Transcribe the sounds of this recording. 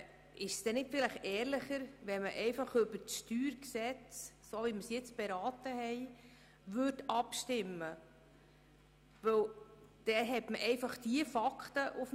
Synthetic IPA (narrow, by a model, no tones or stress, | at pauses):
ɪʃsd̥ɛnɪtfɪlɪχɛːɾlɪχəɾʋɛməʔɛɪfɑχøbəɾtʃtyːɾksɛt͡s | soʋiməsjɛt͡sb̥ɛɾɑːtəhɛɪ | ʋʏrdɑpʃtɪmːə | ʋɵwd̥ɛɦɛtməʔɛɪfɑχd̥iəfɑkχtəʔʊf